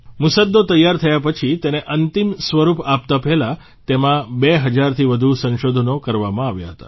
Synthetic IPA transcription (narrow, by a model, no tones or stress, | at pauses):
mʊsəd̪ːot̪əjːaɾt̪ʰəjapət͡ʃʰit̪eneʔənt̪imsʋəɾupap̚t̪apɛɦla | t̪emãbeɦəd͡ʒaɾt̪ʰiʋəd̪ʱusə̃nʃod̪ʱənokəɾʋamãaʋja̰ɦət̪a̰